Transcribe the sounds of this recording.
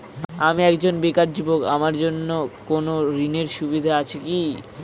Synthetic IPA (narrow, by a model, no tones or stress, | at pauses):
amiɛkd͡ʑonbekaɾd͡ʑiboka̰maɾd͡ʑonːokonoɾineɾʃubid̪ʱaat͡ɕʰiki